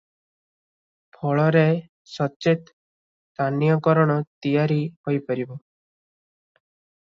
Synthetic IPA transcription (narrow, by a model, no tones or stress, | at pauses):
pʰɔɭɔɾe | sɔt͡ʃet̪ | t̪anjɔkɔɾɔɽ̃ɔt̪ijaɾiɦojpɔɾibɔ